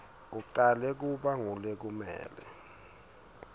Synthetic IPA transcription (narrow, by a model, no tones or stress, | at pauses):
uǃalɛk̬uɓaŋulek̬umɛ̰ːlɛ